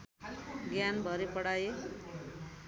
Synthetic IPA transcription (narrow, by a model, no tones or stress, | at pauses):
ɡjanbʱʌɾipʌɽaje